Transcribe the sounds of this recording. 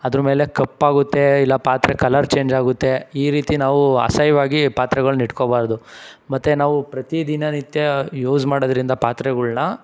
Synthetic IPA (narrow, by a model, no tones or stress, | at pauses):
ɐd̪ɾɐme̞ːle̞kɐpːaːɡut̪ːe̞ilːɐpaːt̪ɾekɐlɐɾt͡ʃe̞ːɲd͡ʒaːɡut̪ːe̞iːɾiːt̪inaːʋuɐ̰sɐjʋaːɡipaːt̪ɾɛɣɐɭuniʈkobaːɾd̪umɐt̪ːenaːʋupɾɐt̪id̪inɐnit̪jɐjuːd͡ʒmaːɽod̪ɐɾind̪ɐpaːt̪ɾɛɡɐɭnɐ